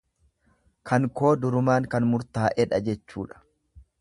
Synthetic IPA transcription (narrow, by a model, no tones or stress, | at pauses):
kʰɐŋko̞ːd̪ʊɾʊmaːŋkɐnmʊɾt̪aːʔɛᶑɐd͡ʒɛt͡ʃːuːᶑɐ̥